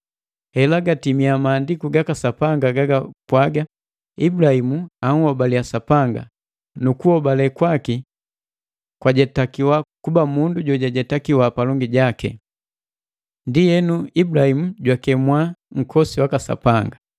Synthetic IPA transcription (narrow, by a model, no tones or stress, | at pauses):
hɛlaɡatimiamaːndikuɡakasapaŋɡaɡaɡapwaɡa | ibulahimuaŋ̩hɔbaliasapaŋɡa̰ | nukuhɔbalɛkwaki | kwaɟɛtakiwakubamunduɟɔɟaɟɛtakiwapalɔŋɡiɟakɛ̰ | ndijɛnuibulahimuɟwakɛmwaŋ̩kʰɔsiwakasa̰paŋɡa